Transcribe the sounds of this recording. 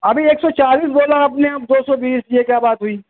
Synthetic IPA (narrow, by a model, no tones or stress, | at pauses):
ɐbʱieːksɔt͡ʃaːliːsboːlaɐpneɐp̚d̪oːsɔːbiːsjekjaːbaːt̪ɦʊiː